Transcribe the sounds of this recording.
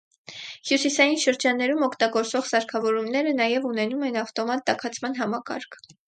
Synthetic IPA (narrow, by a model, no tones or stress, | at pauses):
hjusisɑjinʃəɾd͡ʒɑnːɛɾumɔkʰt̪ɑɡɔɾt͡svɔʁsɑɾkʰɑvɔɾumnɛɾənɑjɛvunɛnumɛnɑft̪ɔmɑt̪̚ːɑkʰɑt͡sʰmɑn̪ɦɑmɑkɑ̰ɾkʰ